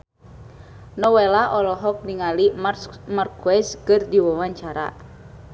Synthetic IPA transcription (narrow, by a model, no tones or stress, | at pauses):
nɔwelaʔɔlɔɦɔk̚niŋalimmarkwɛskɨrdiwawaɲt͡ʃaɾa̰